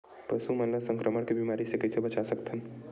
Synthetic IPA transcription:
pəsuməlasə̃ŋkɾəməɽkebimaɾisekɛsebət͡ʃasəkt̪ʰəm

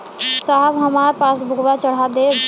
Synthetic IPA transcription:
saɦəbɦəmaːɾpaːs̬bʱʊɡʋat͡ʃəɽ̤ad̪e

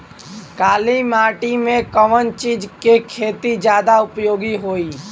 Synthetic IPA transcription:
kaːlimaːʈimẽkəʋənt͡ʃiːd͡ʒkekʰeːt̪id͡ʒjaːd̪aʊpjoːɡiɦoːiː

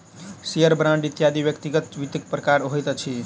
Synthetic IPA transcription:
sijəɾbɾãɳɖit̪jad̪ibjəkt̪iɡət̪ʋit̪ik̚pɾəkaɾɦojt̪t͡ʃʰi

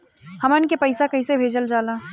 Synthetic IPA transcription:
hɐmənkepɐɪsakɐisebʱeːd͡ʒəld͡ʒaːlaː

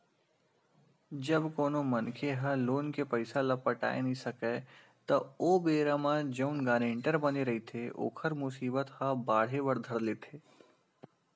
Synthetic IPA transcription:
d͡ʒɐbkoːnomɐnkʰeɦɐloːnkepɐɪsalɐpəʈa̰ːenɐĩsɐke | t̪ɐoːbeːɾamãd͡ʒɐʊnɡaːɾẽːɳʈəɾbɐneɾɐɦit̪ʰeʔo̰ːkʰəɾmʊsiːbət̪hɐbaːɽ̤eʋəɾd̪ʱəɾleːt̪ʰeː

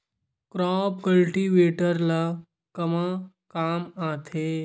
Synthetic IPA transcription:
kɾɔːpkəlʈiːʋeːʈəɾla | kɐma | kaːmaːt̪ʰe

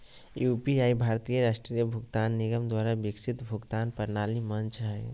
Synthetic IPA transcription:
jupiaibʱaɾt̪ijəɾasʈɾijəbʱuɡt̪anːiɡəmd̪waɾabiksʰit̪bʱuɡt̪anpəɾnalimənt͡ʃʰɾəɦe

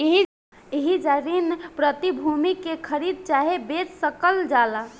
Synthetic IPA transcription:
iɦi | iɦid͡ʒaɾinpɾət̪ibʱumikekʰəɾid̪̚t͡ʃaɦebed͡ʒsəkəld͡ʒala

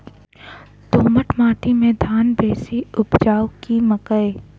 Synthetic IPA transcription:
t̪oːməʈmaːʈʰimẽd̪ʱaːnbeːsiʊpd͡ʒaːʊkiməkəe

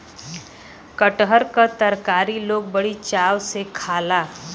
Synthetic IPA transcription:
kəʈɦəɾkat̪əɾkaːɾiloːɡ̚bəɽit͡ʃaːwsekʰaːlaː

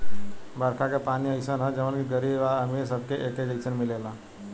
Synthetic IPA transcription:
bɐɾkʰakepaːniəɪsənɦɛ̃d͡ʒɐʋənkiɡəɾibbaɐmesɐb̚keʔeːked͡ʒəɪsənmɪleːlaː

